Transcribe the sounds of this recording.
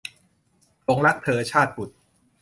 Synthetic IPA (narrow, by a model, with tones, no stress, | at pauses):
pʰo˩˦ŋɾa˦˥k̚p̪ʰɤː˩˦t͡ɕʰaː˥˩t̪̚pu˨˩t̪̚